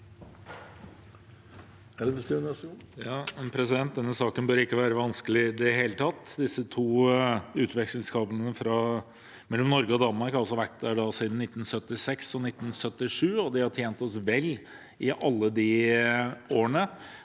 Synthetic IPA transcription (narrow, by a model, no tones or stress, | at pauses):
ɛlʋəst̪ɪnɛsjɑːɛnpʰɾɛsɪd̪ɛnt̪̚d̪ɛnːəsɑːkənbøːɾɪkːəʋæːɾəʋɑnskəlɪd̪ɛɦeːlət̪ʰɑt̪ːd̪ɪsːət̪ʰuːʉːt̪ʋɛksəlskɑːpənəfɾɑ | mɛlːɔmnɔɾɡəɔd̪ɑnmɑɾkɑlsɔʋækt̪əɖɑsiːd̪n̩nɪt̪ːn̩sœt̪ːɪsɛksɔnɪt̪ːn̩sœt̪ːɪʂʉːɔd̪ɪhɑʈʰjeːnt̪ɔsʋɛlː | ɪʔɑlːəd̪ɪ | oːəɳə